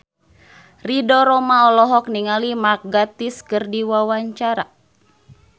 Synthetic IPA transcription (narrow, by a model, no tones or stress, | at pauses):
ridɔɾɔmaɔlɔɦɔk̚niŋalimak̚ɡat̪iskɨrdiwawaɲt͡ʃaɾa